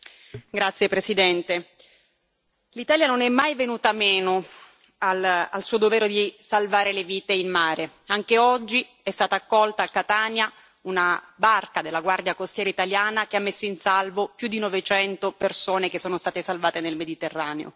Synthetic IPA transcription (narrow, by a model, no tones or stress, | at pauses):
ɡɾat̪sjepɾesid̪ɛnt̪e | lit̪aːljanonɛmːajvenuːt̪ameːno | ala̰lsuːod̪ovɛːɾod̪isalvaːɾeleviːt̪einmaːɾe | aŋkeɔd͡ʒːi | ɛst̪aːt̪aːkːɔlt̪aːkːat̪aːnja | unabarkad̪elːaɡward̪jakost̪jɛːɾait̪aljaːnakeamːesːoinsalvopjud̪inɔvet͡ʃɛnt̪opersoːnekesːoːnost̪aːt̪esalvaːt̪enelmed̪it̪erːaːneo̰